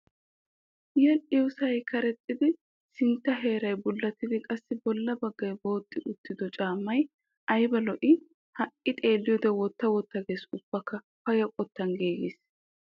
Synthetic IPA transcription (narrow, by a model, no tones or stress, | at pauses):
jɛlʔɪwʊsɐjkɐɾɛt̪ʼːɪd̪ɪ | sɪnt̪ːɐɦe̞ːɾɐjbʊlːɐt̪ːɪd̪ɪkʼɐsːɪbɔlːɐbɐɡːɐjbo̞ːt̪ʼːɪʔʊt̪ːɪd̪ɔt͡ʃʼaːmːɐj | ʔɐjbɐlɔʔɪ | hɐʔʼːɪt̪ʼe̞ːlːɪjɔd̪ɛwɔt̪ːɐwɔt̪ːɐɡe̞ːsʊb̥ːɐkːɐ | fɐjɐkʼɔt̪ːɐnɡeːɡɪs